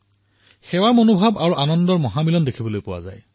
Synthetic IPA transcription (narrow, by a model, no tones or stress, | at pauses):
xɛwaɹmonobʱabaɹuʔanɔndɔɹmɔɦamilɔndekʰibɔlojpʊwa̰za̰j